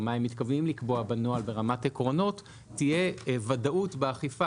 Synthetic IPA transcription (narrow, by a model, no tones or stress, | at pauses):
maimːit̪kavnimlikboabanoalbe̞ʁamatekʁo̞no̞tː | ije̞vadaʔutbeaχifa